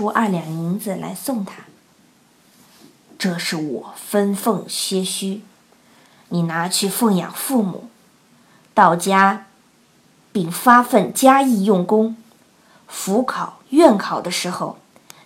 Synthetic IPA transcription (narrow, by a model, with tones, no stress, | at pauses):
u˥ʔɐ̰˞˥˩ljɑ˨˩ŋi˧˥nd͡zɹ̩˧la̰˧˥ɪsʊ˥˩ŋt̪ʰa˥ | ʈ͡ʂɤ˥˧ʂɻ̩˥˩wɔ̰˨˩fə˥nfɤ˥˩ŋɕɥɛ˥ɕy˥ | ni˨˩na˧˥t͡ɕʰy˥˧fɤ˥˩ŋjɑ̰˨˩ŋfu˥˩mṵ˨˩˦ | t̪ɑ˥˩ʊt͡ɕja˥ | pi˥˩ŋfa˥fə˥˩nt͡ɕja˥i˥˧jʊ˥˩ŋkʊ˥ŋ | fu˧˥kʰɑ˨˩˦ʊɥɛ˥˩nkʰɑ˨˩ʊd̪ə˦ʂɻ̩˧˥xo˥˧ʊ